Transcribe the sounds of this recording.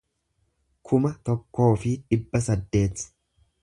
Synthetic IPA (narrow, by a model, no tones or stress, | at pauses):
kʰʊmɐt̪ɔkːo̞ːfɪᶑɪbːɐsɐd̪ːe̞ːt̪